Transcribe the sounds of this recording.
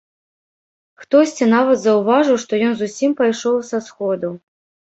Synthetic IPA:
xt̪ɔsʲt͡sʲinavɐt̪zɐwvaʐɨwʂt̪ɔjɔnzusʲimpajʂɔwsasxɔd̪u

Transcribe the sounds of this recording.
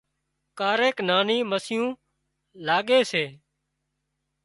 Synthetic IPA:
kaːɾeːknaːniːməsɪjũː | laːɠeːseː

